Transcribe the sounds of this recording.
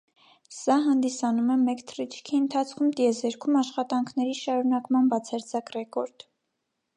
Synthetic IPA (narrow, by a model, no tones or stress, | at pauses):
sɑɦɑnd̪isɑnumɛmɛkt̪ʰrit͡ʃʰkʰiənt̪ʰɑt͡sʰkʰumt̪jɛzɛɾkʰumɑʃχɑt̪ɑŋkʰnɛɾiʃɑɾunɑkmɑnbɑt͡sʰɑɾd͡zɑkrɛkɔɾd̪̥